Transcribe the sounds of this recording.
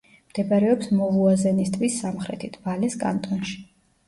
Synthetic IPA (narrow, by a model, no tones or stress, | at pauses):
md̪̥ɛbaɾɛɔpsmɔvuazɛnist̪ʼvisːamχɾɛ̰t̪ʰid̪ʰbalɛskʼa̰nt̪ʼɔnʃi̥